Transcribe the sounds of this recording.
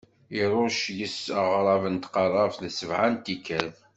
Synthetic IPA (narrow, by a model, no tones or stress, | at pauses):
iɾˤʊʃjəsəʁɾˤɑvənt̪qɑrˤːɑfðsəvʕant̪ikːəð